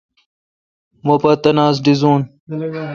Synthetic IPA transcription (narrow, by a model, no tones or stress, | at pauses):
mopɐt̪ɐnaːzɖizuːn